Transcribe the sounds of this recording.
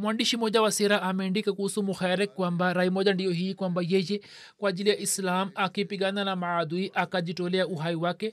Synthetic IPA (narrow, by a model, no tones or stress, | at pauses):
mwandiʃimɔʄawasɛɾaamɛndikakuhusumuxaɾɛkkːwambaɾaimɔʄandijɔhiːkwambajɛjɛ | kwaːʄilijaʔislamakipiɡananamaad̪uiʔakaʄitɔlɛauɦaiwakɛ